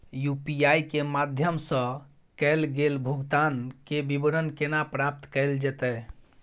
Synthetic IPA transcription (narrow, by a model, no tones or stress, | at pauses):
jupiajkemad̪ʱjəmsə̃ | kɛlɡelbʱuɡt̪ankebibɾənkenapɾap̚t̪kɛld͡ʒɛt̪ɛ